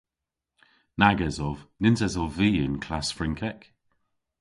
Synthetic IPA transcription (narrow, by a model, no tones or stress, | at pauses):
naɡəzɔvnɪnzɛzɔviːə̰nkʰlasfɹɪŋkʰɛk